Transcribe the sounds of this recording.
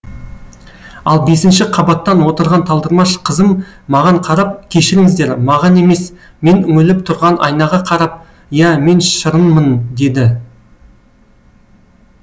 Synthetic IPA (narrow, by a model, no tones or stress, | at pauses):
ɑlˠbe̞sɪnʃɪqʰɑbɑt̪ːɑnwo̞t̪əɾʁɑnt̪ʰɑlˠd̪əɾmɑʃqʰəzəmːɑʁɑɴqʰɑɾɑp̚kʲʰe̞ʃɪɾɪŋɪzd̪e̞ɾmɑʁɑne̞me̞s | me̞nʏŋɪlɪp̚t̪ʰʊɾʁɑnʔɑ̰jnɑʁɑqʰɑɾɑp̚ | jæme̞nʃʃəɾənmənd̪e̞d̪ɪ